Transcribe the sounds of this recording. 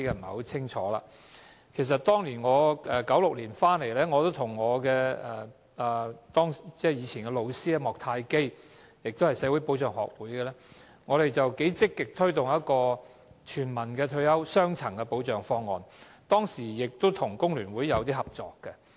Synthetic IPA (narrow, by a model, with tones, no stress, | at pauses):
kɛ˧m̩˨˩ho˨˥t͡sʰɪ˥ŋt͡ʃʰɔ̰ː˨˥la̰ː˧ | kʰe˨˩s̬ɐ˨t̚t̪ɔː˥ŋliː˨˩nŋɔː˨˧ɛː˨˩kɐ˨˥wlʊ˨k̚liː˨˩nfaː˥nle˨˩jlɛː˥ŋɔː˨˧t̪o˥wt̪ʰʊ˨˩ŋːɔː˨˧kɛː˧ɛ˨˩ | ɐː˨t̪ɔː˥ŋst͡sɛː˥˩jiː˨˧t͡sʰiː˨˩nkɛ˧lo˨˧wsiː˥ɐ˧mɔː˨k̚t̪ʰaː˧jke˥j | jɪ˨k̚t̪o˥hɐ˨jse˨˧˥wu˨˥jpo˨˥wt͡ʃœː˨˩ŋhɔ̰ː˨˩k̚wuː˨˥jɡɛ˧lɛ˥ | ŋɔː˨˧ɾe˨jt͡sɐ˨wke˨˥jt͡sɪ˥kːɪ˨k̚t̪ʰɵ˥ɥt̪ʊ˨ŋjɐ˥t̚kɔː˧ | t͡ʃʰyː˨˩nmɐ˨˩nkɛː˧t̪ʰɵ˧ɥjɐ˥wsœː˥ŋt͡sʰɐ˨˩ŋkɛ˧po˨˧wt͡ʃœː˨˩ŋfɔː˧ŋːɔː˨˩n | t̪ɔː˥ŋsiː˨˩jɪ˨k̚t̪o˥wt̪ʰʊ˨˩ŋkʊ˥ŋlyː˨˩nwuː˨˥jːɐ˨˧wt̪iː˥hɐ˨p̚t͡sɔ̰ː˨kːɛ˧